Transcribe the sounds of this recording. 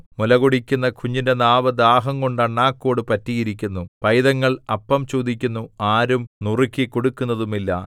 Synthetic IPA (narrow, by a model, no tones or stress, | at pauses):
mulɐɣoɽikʲːunːɐkʰuɲːindenaːʋɐd̪aːɦɐŋko̞ɳɖaɳːaːkːo̞ːɽɨpɐtːijiɾikʲːunːupɐjðɐŋːɐɭɐpːɐmt͡ɕoːd̪ikʲːunːuaːɾumnurikʲːiko̞ɽukːunːɐðumilːɐ̰